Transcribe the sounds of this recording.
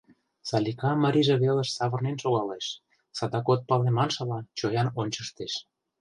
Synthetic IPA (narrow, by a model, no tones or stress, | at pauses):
sɑlʲikɑmə̆ɾʲiʒĕβelə̆ʃsɑβə̆rnenʃoɣɑleʃ | sɑd̪ɑkot̪̚pɑlemɑnʃɑlɑt͡ɕojɑnonʲt͡ɕəʃt̪eʃ